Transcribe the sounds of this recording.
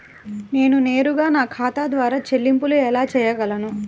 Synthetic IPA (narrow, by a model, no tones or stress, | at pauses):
ne̞ːnune̞ːɾuɡaːnaːkʰaːt̪ad̪ʋaːɾaːt͡ʃelːimpuluɛlaːt͡ʃɛːjɐɡɐlɐnu